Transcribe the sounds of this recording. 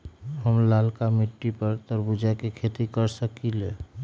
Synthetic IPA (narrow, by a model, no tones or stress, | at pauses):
ɦəmlalkamiʈːipəɾt̪ɔɾbud͡ʒakekʰet̪ikəɾsəkile